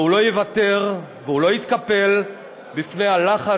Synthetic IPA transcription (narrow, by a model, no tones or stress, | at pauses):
ulo̞jevate̞ʁ | vehulo̞it̪kape̞l | bifnejhalaχa